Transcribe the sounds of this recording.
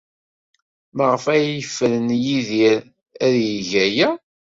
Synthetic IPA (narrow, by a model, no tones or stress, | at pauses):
məʁəfæjəfːəɾənjiðiɾ | æðjəʝæjæ